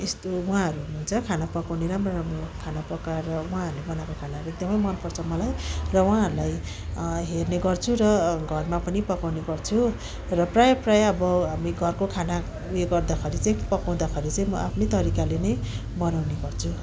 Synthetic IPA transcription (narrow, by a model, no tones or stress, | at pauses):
est̪owãɦʌɾununt͡sʰʌkʰanapʌkawneɾamrʌɾamrokʰanapʌkaɾʌũãɦʌɾulebʌnawkokʰanaɾuek̚d̪ʌmʌjmʌnpʌrt͡sʰʌmʌlajrʌw̃ãɦʌɾulaj | ɦerneɡʌrt͡sʰurʌɡʱʌrmapʌnipʌkawneɡʌrt͡sʰu | rʌprajʌprajʌbʌɦamiɡʱʌrkokʰana | ujeɡʌrd̪akʰʌɾit͡saĩpʌkaw̃d̪akʰʌɾit͡saĩmʌ̰a̰pʰnet̪ʌɾikalenʌj | bʌnawneɡʌrt͡sʰu